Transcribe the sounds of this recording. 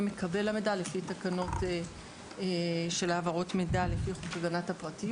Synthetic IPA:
mekabe̞lamedalefitakano̞te | ʃe̞laːvaʁo̞tmedalefiχukaɡanathapʁati

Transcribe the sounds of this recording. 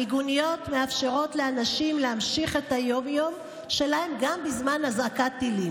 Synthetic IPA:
iɡunijo̞t̪me̞afʃe̞ʁo̞t̪le̞anaʃimleamʃiχe̞t̪ajo̞mjo̞m | ʃe̞laemɡambizmanhazakat̪ːilim

